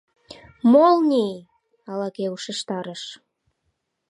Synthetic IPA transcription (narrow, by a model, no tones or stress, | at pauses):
molnʲej | ɑlɑkeuʃəʃt̪ɑɾəʃ